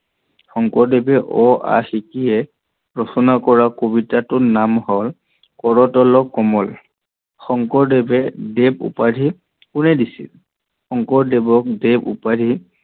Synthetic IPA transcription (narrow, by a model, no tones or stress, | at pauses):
xɔŋkɔɹdebɛʔɔa̰xikiɛ | ɹɔsɔnakɔɹakobitatʊnamhɔl | kɔɹɔtɔlɔkːɔmɔl | xɔŋkɔɹdebɛdeb̚ṵpadʱi | kunɛdisḭl | xɔŋkɔɹdebɔk̚debṵpadʱi